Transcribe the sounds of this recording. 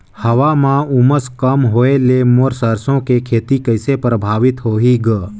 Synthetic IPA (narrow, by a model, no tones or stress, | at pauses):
həʋamãuməskəmɦoːelemoɾsəɾsõkekʰeːt̪ikəɪsepɾəbʱaːʋɪt̪ɦoːɦiːɡə